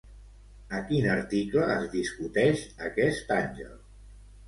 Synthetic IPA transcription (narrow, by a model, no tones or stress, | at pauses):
əkinəɾt̪ikləːzðiskut̪ɛʃəkɛst̪anʲʒə̰lˠ